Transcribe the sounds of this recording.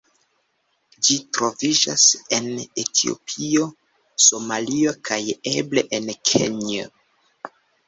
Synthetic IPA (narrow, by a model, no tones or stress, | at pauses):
d͡ʒitɾo̞vid͡ʒase̞netʰio̞̰pʰio̞ | so̞malio̞kʰajeble̞ʔenkʰḛɲo